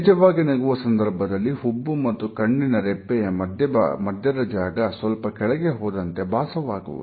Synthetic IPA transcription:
d͡ʒɐʋaːɡinɐɡuʋɐsɐnd̪ɐɾbʱɐd̪ɐlːihubːumɐt̪ːukɐɳːinɐɾɛpːɛjɐɐd̪ʱjɐ̰mɐd̪ʱjɐd̪ɐd͡ʒaːɡɐsʋɐlpɐkɛɭɛɡeɦɔːd̪ɐnt̪e̞baːsɐʋaːɡṵʋṵ

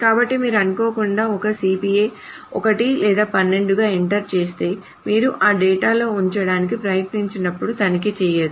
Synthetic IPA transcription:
kaːbɐʈːimiːɾuɐnuko̞ːkuɳɖaːɔkɐsiːpijeː | ɔ̰kɐʈilɛːd̪aːpɐnːe̞ɳɖuɡaːeɳʈɐɾt͡ʃeːst̪e̞ː | miːɾuʔaːɖɛːʈaːlo̞ːuɲt͡ʃɐɽaːnik̬ipɾɐjɐt̪niɲt͡ʃinɐpːuɽut̪ɐnik̬it͡ʃɛːjeːd̪u

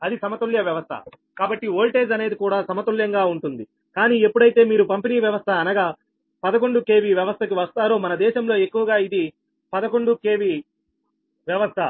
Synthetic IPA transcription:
ɐd̪isɐmɐt̪uljɐʋjɐʋɐst̪ʰɐ̰ | kaːbɐʈːioːlʈe̞ːd͡ʒɐne̞ːd̪ikuːɽaːsɐmɐt̪uljɐŋɡaːuɳʈund̪i | kaːniːe̞pːuɽɐjt̪e̞ːmiːɾupɐmpiniːʋjɐʋɐst̪ʰɐːnɐɡaː | pɐd̪ɐko̞ɳɖuke̞ːʋiʋjɐʋɐst̪ʰɐkiʋɐst̪aːɾoːmɐnɐd̪ɛːʃɐmlo̞ːe̞kːuʋɐɡaːid̪i | pɐd̪ɐko̞ɳɖuke̞ːʋi | ʋjɐʋɐst̪ʰɐ

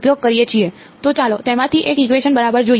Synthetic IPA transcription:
pjoɡ̚kəɾijet͡ʃʰie | t̪ot͡ʃalot̪emãt̪ʰiʔekikʋeʃənbəɾabəɾd͡ʒoi

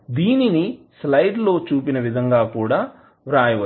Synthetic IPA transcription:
d̪iːninislɐjɖlo̞ːt͡ʃuːpinɐʋid̪ʱɐŋɡaːkuːɽaː | ʋɾaːjɐʋɐ

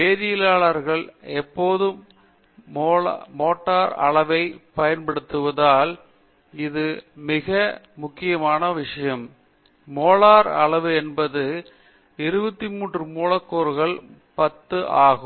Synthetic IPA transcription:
peːðɪjɪlaːɭɐɾɣɐɭɛpːoːðɯmː | oːmoːʈːaːɾɐ̰ɭɐʋɐɪpɐjɐnpɐɽɯt̪ːɯʋɐðaːl | ɪðɯmɪɣɐmʊkːɪjɐmaːnɐʋɪʂɐjɐmː | oːɭaːɾɐɭɐʋɯɛnbɐðɯ | ɪɾɯbɐt̪ːimuːɳrɯmuːɭɐkːoːɾɣɐɭ | pɐt̪ːɯʔaːɣɯm

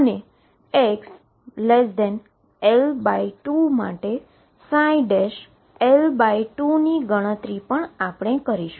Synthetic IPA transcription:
əne | eks | lesd̪ɛn | elbaiʈuma̰ʈe | sãiɖeʃ | elbaiʈuniɡəɽ̃ət̪ɾipəɳapɳ̃ekəɾiʃu

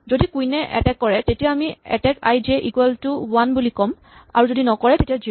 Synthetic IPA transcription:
zodikujnɛʔɛ̰tɛkːɔɹɛtetijaamiɛ̰tɛka̰jzɛʔikwɛltuwanbulikɔm | a̰ɹuzodinɔkɔɹɛtetiazi

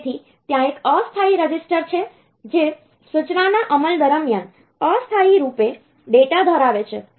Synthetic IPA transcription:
t̪ʰi | t̪jãekəst̪ʰaiɾəd͡ʒisʈəɾt͡ʃʰe | d͡ʒe | sut͡ʃnanaʔəməld̪əɾəmjan | əst̪ʰaiɾupe | ɖeʈad̪ʱəɾaʋet͡ʃʰe

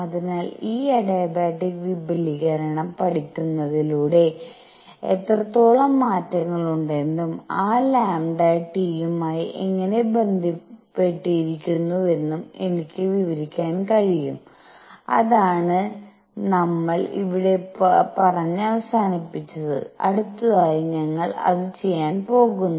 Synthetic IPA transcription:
ɐðinaːliːɐɽejbaːʈːikʋibɐliɣɐɾɐɳɐmpɐʈikʲːunːɐðiluːɽe̞ | et̪rɐt̪ːoːɭɐmːaːtːɐŋːɐɭuɳɖe̞nd̪umaːlaːmɖaʈijumaːjiʔeŋːɐne̞be̞nd̪ʱipːe̞ʈːijiɾikʲːunːɐðe̞nːume̞nikʲːɨʋiʋɐɾikʲːaːnkɐɻijum | ɐ̰ðaːɳɨ | nɐmːɐɭḭʋiɽe̞pɐrɐɲːɨɐʋɐsaːnipːit͡ɕːɐðɨ̰ɐ̰ɽut̪ːɐðaːjiɲɐŋːɐɭɐ̰ðɨt͡ɕe̞jːaːnpo̞ːɣunːu

